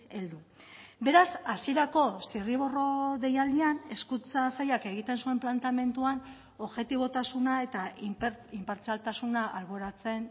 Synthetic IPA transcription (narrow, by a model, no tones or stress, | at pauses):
e̞ld̪u | be̞ɾasasie̞ɾako̞siriβ̞o̞ro̞ðe̞jald̪iane̞skunt͡sasajake̞ɣit̪e̞nsue̞mplant̪ame̞nt̪uan | o̞βɣe̞t̪iβ̞o̞t̪asunae̞t̪apimpaɾt͡salt̪asunaʔalɣoeɾat͡se̞n